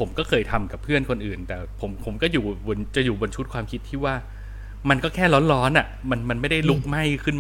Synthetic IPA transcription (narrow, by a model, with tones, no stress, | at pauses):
pʰo˩˦mkɔː˥˩kʰɤː˧jt̪ʰa˧mka˨˩pʰːɯ˥˩ənkʰo˧nʔɯː˨˩nt̪ɛː˨˩pʰo˩˦mpʰo˨˩˦mkɔː˥˩juː˨˩bo˧nt͡ɕa˨˩juː˨˩bo˧nt͡ɕʰu˦˥t̪̚kʰwaː˧mkʰi˦˥t̪ʰːiː˥˩waː˥˩ | ma˧nkɔː˥˩kʰɛː˥˩lɔ˦˥nlɔː˦˥nʔa˨˩ʔma˧nma˧nma˥˩jda˥˩jlu˦˥k̚ma˥˩jkʰɯ˥˩n